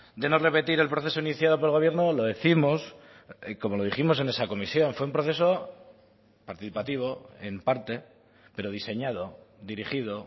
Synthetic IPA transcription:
d̪e̞nore̞pe̞t̪iɾe̞lpɾo̞θe̞so̞iniθjað̞o̞p̬oelɣ̞o̞βje̞ɾno̞lo̞ðeθimo̞s | ko̞mo̞lo̞ð̞iximo̞s̬e̞ne̞sako̞misjõ̞nfwe̞umpɾoθe̞so̞ | paɾt̪iθipat̪iβ̞o̞e̞̰mpaɾt̪e̞ | pe̞ɾo̞ð̞ise̞ɲaðo̞d̪iɾixið̞o

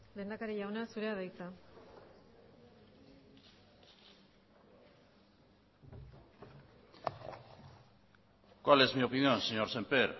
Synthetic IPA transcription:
le̞ːnd̪akaɾeʝawnasuɾe̞aðajt͡sa | kwale̞zmio̞pinjo̞nseɲo̞ɾsempeɾ

